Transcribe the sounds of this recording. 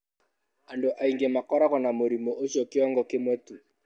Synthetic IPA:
andoʔaiŋɡemakɔɾakɔnamoɾimɔʔoʃɔkɪɔŋɡɔkɪmwɛtu

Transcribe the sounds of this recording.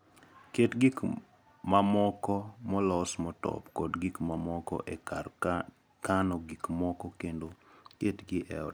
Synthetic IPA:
ketɡik | mamɔkɔmɔlɔsmɔtɔ̰pkɔdɡikmamɔkɔ̰ʔekar | kanɔɡikmɔkɔkendoketɡɪʔɛ̰ɔ

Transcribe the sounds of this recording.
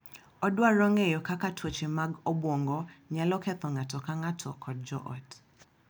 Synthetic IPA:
ɔdwaɾɔŋejɔkakatʰwot͡ʃemaɡobwɔŋɡɔɲalɔkɛt̪ɔŋatɔkaŋatʰɔkʰɔd̚d͡ʒɔʔɔ̰t

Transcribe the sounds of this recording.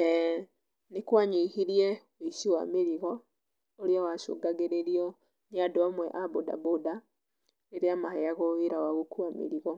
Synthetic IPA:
nikwaɲihiɾjɛ | oisiwa̰miɾiɣɔ | oliɔwaʃo̰ɡaɣeɾeɾiɔ | niadoamwɛʔaboda̰boda | eɾeamahɛjaɣoiɾawaɣukuamḭɾiɣɔ

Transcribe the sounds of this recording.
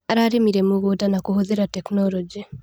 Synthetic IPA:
aɾaɾimiɾemoɣodanakohoðeɾatɛknɔɾɔd͡ʒi

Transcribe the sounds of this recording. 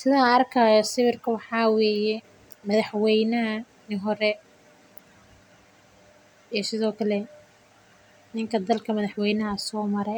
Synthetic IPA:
sɪðaɐrkʰɐjɔsɪβɪrkʰɐwɑħɑːwɛːjɛ | mɐðɐħwɛjnɐɦɐ | nɪɦɔɾɛ | isɪðɔːkʰɐlɛ | nɪŋkʰɐd̪ɐlkʰɐmɐðɐħwɛjnɐɦɐsɔːmɐɾɛ

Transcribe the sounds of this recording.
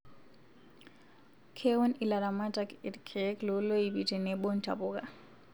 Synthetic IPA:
kʰɛwɔnilaɾamatakɛdkʰɛklɔlojibitɛnɛɓɔnta̰pɔka

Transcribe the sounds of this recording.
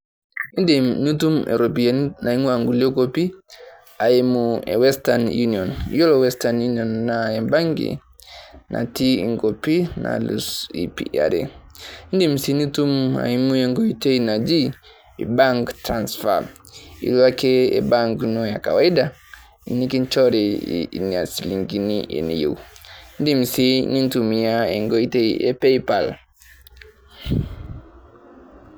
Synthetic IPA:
indinutumɛ̰ɾɔpinaiŋuaŋɡuliɔɡɔpi | aimuɛ̰wɛstanjuniɔnjɔlɔwɛstanjuniɔnːaɛbaŋɡḭ | na̰tiḭŋɡɔpina̰lusḭpḭa̰ɾɛ̰indim̩sinutuma̰imuɛŋɡɔitɛinad͡ʒi | baŋktɾansfa̰ | ḭlwakɛɛ̰baŋɡnɔjaka̰waida | ḭnikint͡ʃɔɾḭniasiliŋɡiniʔɛ̰nḭjewndimsinintumijaɛŋɡɔitejɛpejpal

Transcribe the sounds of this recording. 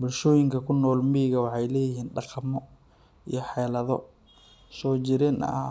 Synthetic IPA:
bʊlʃɔːjɪŋkʰɐkʰʊnːɔːlmiːɣɐwɑħɑjlɛːjɪɦiːnɖɑqɑmɔ | ijɔħɛlɐðɔ̰ | sɔːt͡ʃɪɾɛnɐ̰

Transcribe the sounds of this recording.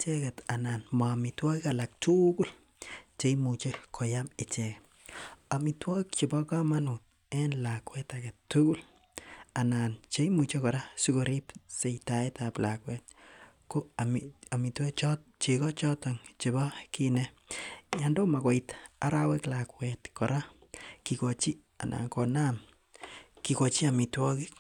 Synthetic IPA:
t͡ʃɛketananmamitwɔikalak̚tukul | t͡ʃejmut͡ʃekʰojamɪt͡ʃɛkɛ | amitwɔkt͡ʃebɔkamanut | ɛnlakwɛtaketːukul | anant͡ʃejmut͡ʃekɔɾasuɡoɾipseitaetaplakwɛt̚ | koamamitwet͡ʃt͡ʃekɔt͡ʃɔtɔŋt͡ʃebɔkine | jandomakɔitaɾaweklakwɛtkɔɾakikot͡ʃi | anʔa̰ːŋkonam | kikot͡ʃiamitwɔkik

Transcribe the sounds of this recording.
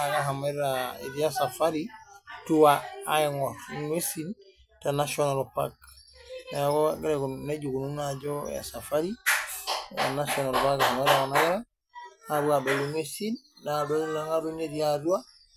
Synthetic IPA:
aɡaɦameɾaḭɾijasafaɾituwaːeŋoŋesin | tanasionalopa̰k̚naaɡoɡeɾeɡuneɟuɡununaɟo̰ja̰safaɾi | ja̰nasionalopakahameɾakanaɡaɾa | nabuabeluŋesinːabelaŋaɾuneɾiadua

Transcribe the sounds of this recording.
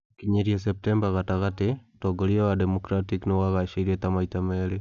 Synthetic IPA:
kiɲeɾias̬ep̚tembaɣataɣatetoɡoɾiewademokɾatiknowaɣaʃiɾietamaitameɾe

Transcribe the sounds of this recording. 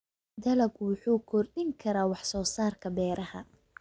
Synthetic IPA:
d̪ɐlɐɡwʊħuːkʰɔrɗɪŋkʰɐɾaːwɑħsɔːsaːrkʰɐbɛːɾɐhɐ̰

